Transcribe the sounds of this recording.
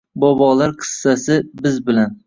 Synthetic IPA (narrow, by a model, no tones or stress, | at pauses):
bɒbɒlaɾqʰɨ̥sːasɪbɪzbɪlan